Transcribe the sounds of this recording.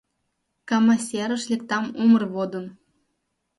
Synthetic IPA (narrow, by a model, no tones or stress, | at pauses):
kɑmɑsʲeɾə̆ʃlʲek̚t̪ɑmumərβod̪ə̆n